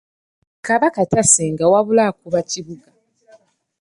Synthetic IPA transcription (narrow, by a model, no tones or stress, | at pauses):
kaβakataseŋɡawaβulakuβaciβuɡa